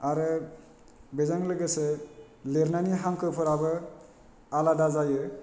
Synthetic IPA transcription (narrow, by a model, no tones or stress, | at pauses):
aɾɯ | bezaŋlɯɡɯse | leɾnaniɦaŋkʰɯpʰɯɾabɯ | aladazajɯ